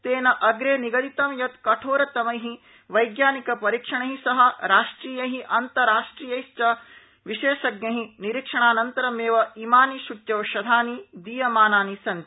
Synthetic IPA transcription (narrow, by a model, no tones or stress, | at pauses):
t̪eːnɐʔɐɡɾeːniɡɐd̪it̪ɐmjɐt̪kɐʈʰoːɾɐt̪ɐmɐjɦi | ʋɐjɡjaːnikɐpɐɾikʂɐɳɐɦisɐɦɐɾaːʂʈɾiːjɐɦiʔɐnt̪ɐɾaːʂʈɾiːjɐjst͡ʃɐ | ʋiʃeːʃɐɡnɐɦiniɾikʂɐɳaːnɐnt̪ɐɾɐmeːʋɐimaːniʃutjɐʋʃɐd̪ʱaːnid̪iːjɐmaːnaːnisɐnt̪